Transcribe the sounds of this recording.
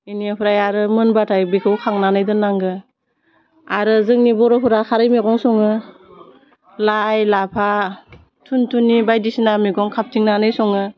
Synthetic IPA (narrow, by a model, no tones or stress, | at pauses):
iniapʰɯɾajaɾɯmɯnbatʰajbikʰɯwkʰaŋnanɯjdɯnaŋɡɯ | aɾɯzɯŋnibɔɾɔpʰɯɾakʰaɾɯjmeɡɔŋsɔŋɯ | lajlapʰa | tʰuntʰunːibajdisinamiɡɔŋkʰap̚tʰiŋnanɯjsɔŋɯ